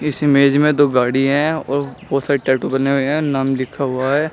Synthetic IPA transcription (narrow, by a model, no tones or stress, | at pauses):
ɪsɪmeːd͡ʒmẽd̪oːɡaːɽiɦɛ̃ɔ̰ːɾbɔːt̪saːɾeʈɛːʈubɐneɦʊeɦɛ̃ɔnɐmlɪkʰaɦʊaɦɛː